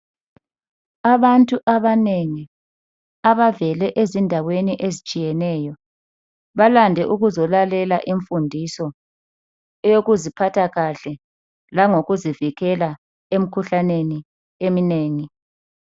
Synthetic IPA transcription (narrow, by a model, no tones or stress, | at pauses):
aβantʼuʔaβaneŋi | aβavɛlɛʔezindʱaweniʔezit͡ʃʼijɛnɛːjɔ | βalandʱɛʔuɣuzɔlalɛlaʔiɱfundʱisɔ | ɛjoɣuzipʰatʰaɣaɬɛ | laŋoɣuziviɣɛla | em̩kʰuɬaneni | emineːŋi